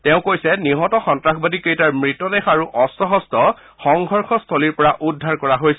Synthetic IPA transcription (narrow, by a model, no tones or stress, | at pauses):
tɛʊ̃kojsɛniɦɔtɔxɔntɹaxʰbadikejtaɹmɹitːɔdɛxaɹuʔɔstɔɦɔstʰɔ | xɔŋɡʱɔɹxɔstʰoliɹpɔɹaʔudʱːaɹkɔɹaɦojsɛ